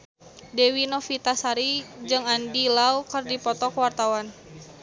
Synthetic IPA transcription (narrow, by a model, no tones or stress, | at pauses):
dewinɔfit̪asaɾid͡ʒɨŋandilaukərdipɔt̪ɔkəwart̪awan